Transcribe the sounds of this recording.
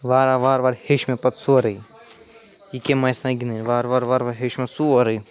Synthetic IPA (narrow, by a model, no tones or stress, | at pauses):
ʋaːɾaʋaːɾʋaːɾheʃmẽpɐt̪suɐɾɐi | ikemɐjsãɡinenʋaːɾʋaːɾʋaːɾʋaɾɦeʃmẽsuɐɾɐi